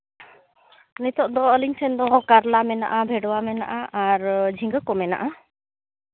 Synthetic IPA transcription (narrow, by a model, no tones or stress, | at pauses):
nit̪ɔʔd̪ɔːliŋsʰɛnd̪ɔɡɔkaɾlamɛna̰ʔabʱɛɖɔwamɛna̰ʔaʔaɾd͡ʒʱiŋɡəkɔmɛna̰ʔa